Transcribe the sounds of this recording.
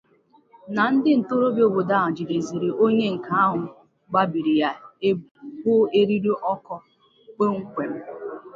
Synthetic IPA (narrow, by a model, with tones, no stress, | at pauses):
na˨n̩˦dɪ˦n̩˨to˦ɾo˦bjo˨bo˨da˦˨a˨d͡ʒi˨de˨zi˨ɾi˨ʔo˦ɲe˦ŋ̩˨ka˦a˦ɦʊ˨ | ɡ͡ba˦bi˨ɾi˨ja˦e˦bʊ˦e˦ɾi˦ɾi˦ʔɔ˦kɔ˦ | k͡pe˦ŋ̩˦kʷe˨m̩˦